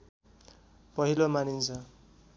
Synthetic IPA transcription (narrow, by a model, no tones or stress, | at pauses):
pʌɦilomanint͡sʰʌ